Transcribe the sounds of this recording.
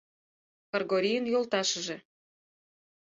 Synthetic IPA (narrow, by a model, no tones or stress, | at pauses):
kɑrɣoɾʲijənjolt̪ɑʃə̆ʒĕ